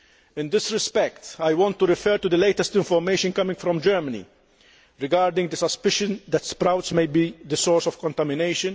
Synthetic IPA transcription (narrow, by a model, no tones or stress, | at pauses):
ɪ̃nd̪ɪsɾɪspɛkt̪ajwɔ̃nt̪ːuɾɪfɛɾt̪ud̪əleɪt̪ɛst̪ɪ̃ɱfɔɾmeɪʃə̃nkɐmɪ̃ŋɡfɾɔ̃md͡ʒɛɾmɐnḭ | ɾɪɡaːɾd̪ɪ̃ŋɡd̪əsɐspɪʃə̃nd̪ɛt̪spɾawt̪smejbid̪əsɔːɾsɔfkɔ̃nt̪ɐmɪneɪʃɨ̃n